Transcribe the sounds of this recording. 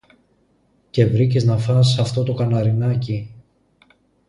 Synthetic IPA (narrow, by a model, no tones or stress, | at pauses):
ce̞vɾiceznɐfɐsːɐft̪o̞t̪o̞kɐnɐɾinɐci